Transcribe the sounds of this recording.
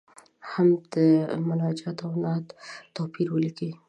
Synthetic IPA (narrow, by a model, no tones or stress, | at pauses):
hamd̪əmʊnɑd͡ʒɑt̪awnɑt̪t̪apʰiɾwəliki